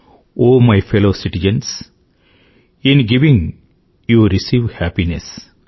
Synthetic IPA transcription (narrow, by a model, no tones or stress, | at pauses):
oːmaɪfeloːsiʈid͡ʒə̃ns | ĩnɡiʋĩŋ | juːɾisiːʋhæpines